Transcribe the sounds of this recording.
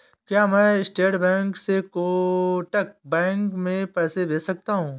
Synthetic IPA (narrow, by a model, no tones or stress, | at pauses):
kjaːmɛ̃ɪsʈeːʈbɛ̃ːŋksekoʈək̚bɛ̃ːŋkmẽpɛːsebeːsɐk̚t̪aɦũː